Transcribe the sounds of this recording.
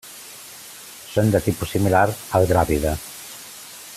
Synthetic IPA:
sond̪ət̪ipusimilaɾalɡɾaβiðə

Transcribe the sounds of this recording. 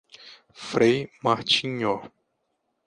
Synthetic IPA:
fɾejmaht͡ʃiɲɔ

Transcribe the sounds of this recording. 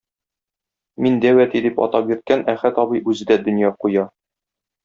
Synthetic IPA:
mind̪æwæt̪id̪ipɒ̰t̪ɑp̚jiɾt̪̚kænæχæt̪ɒbɤjʔʉzɘ̆d̪æd̪ɵ̆njɑqujɑ

